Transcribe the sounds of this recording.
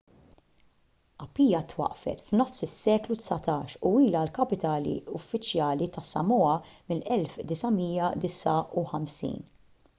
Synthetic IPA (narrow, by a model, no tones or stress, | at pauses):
ʔɐpːiːjɐt̪wɐ̰ʔfɛ̰t̪fnɔfsɪsːɛːklut̪sɐt̪ɐːʃuiːlɐlkɐpɪt̪ɐːlḭʊfːɪt͡ʃjɐːlit̪ɐsːɐ̰mɔːɐmɪlɛlfd̪ɪsɐmiːjɐd̪ɪsɐuħɐmsḭːn